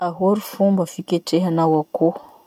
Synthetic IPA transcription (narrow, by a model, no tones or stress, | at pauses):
aɦoɾufumbəfikʲeʈ͡ʂeɦanawako